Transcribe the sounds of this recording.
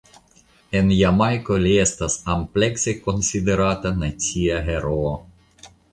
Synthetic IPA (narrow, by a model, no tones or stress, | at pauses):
e̞njamajkolie̞st̪asample̞kseko̞nsid̪e̞ɾat̪anat͡siaɦeɾoː